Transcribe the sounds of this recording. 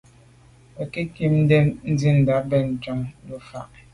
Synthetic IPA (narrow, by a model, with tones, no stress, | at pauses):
ɛ˨ki˦ki˦n̩˦de˦n̩˦di˦n̩˨da˨˦bɛ˦˨n̩˨t͡ʃɔ˦ŋlu˦fa˨ʔ